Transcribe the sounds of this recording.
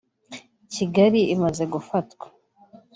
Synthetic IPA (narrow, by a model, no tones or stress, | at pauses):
ciɡaɾiimaze̞ɡufatwḁ